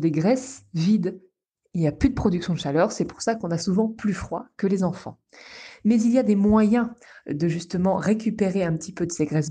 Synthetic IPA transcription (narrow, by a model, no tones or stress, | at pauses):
d̪eɡʁɛsvid̪ | ilniaplyd̪əpχɔd̪yksjɔ̃d̪əʃalœʁsɛpuʁsakɔ̃nasuvɑ̃plyfχwa̰kəlezɑ̃fɑ̰̃ | mɛziljad̪emwajɛ̃d̪əʒyst̪əmɑ̃ʁekʲypeʁeɛ̃pət̪ipøəseɡʁɛs